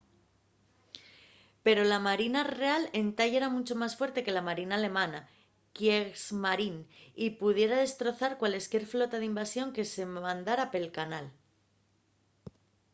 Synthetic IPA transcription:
pe̞ɾo̞lamaɾinare̞ale̞nt̪aje̞ɾamut͡ʃo̞masfwe̞ɾt̪e̞ke̞lamaɾinaːle̞mãna | kjesmaɾinipuðje̞ɾað̞e̞st̪ɾo̞θaɾkwaleskje̞ɾflo̞t̪aðeimbasjo̞ŋke̞se̞mãnd̪aɾape̞lkanal

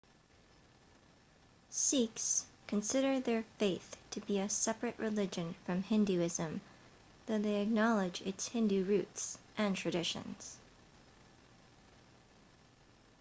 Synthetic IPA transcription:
sikskʰɨ̃nsɪɾə˞ðə˞feɪθtʰɨbiɨsɛpɹɨʔɹʔɨlɪd͡ʒɨ̃nfɹʌ̃mhɪ̃ndʉɪzɨ̃m | ðoʊðeɪɨk̚nɑlˠɪd͡ʒɪ̰tshɪ̃ndʉɹʉtsʔɨ̃ntʰɹ̥ɨdɪʃɨ̰̃nz̥

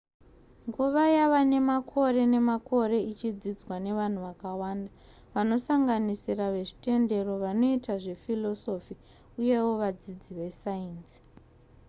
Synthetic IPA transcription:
ŋɡuʋajaʋane̞makʰo̞ɾe̞ne̞mako̞ɾe̞it͡ʃid͡zid͡zwane̞ʋan̤uʋakawaːnda | ʋano̞saŋɡanisiraʋe̞ʐite̞nde̞ro̞ʋano̞itaʐe̞filo̞so̞fi | uje̞wo̞ʋad͡zid͡ziʋe̞saiːnsi̥

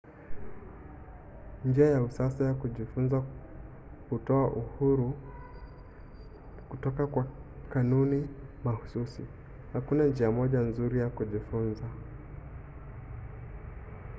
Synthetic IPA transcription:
nd͡ʒiajausasajakuʄifunza | kutɔaʔuhuɾu | kutɔkakwakanunimahususḭ | hakunand͡ʒiamɔʄanzuɾijakuʄifunza

